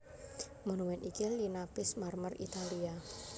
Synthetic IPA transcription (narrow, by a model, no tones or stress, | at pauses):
monuwɛnʔikilinapɪsmarmərḭt̪alia